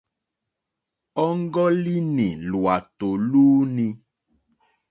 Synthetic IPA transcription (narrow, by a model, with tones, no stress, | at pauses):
ɔ˦ŋ̩˦ɡɔ˦li˦nĩ˨lu˨a˨t̪o˨luː˦nĩ˧